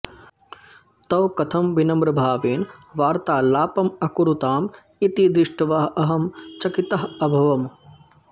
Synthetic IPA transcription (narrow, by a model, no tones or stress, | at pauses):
t̪ɐwkɐt̪ʰɐmʋinɐmbɾɐbʱaːʋeːnʋaːɾt̪aːlaːpɐmɐkuɾut̪aːm | it̪id̪ɾɪʂʈɐʋaɦɐɐɦɐmt͡ʃɐkit̪ɐɦɐbʱɐʋɐm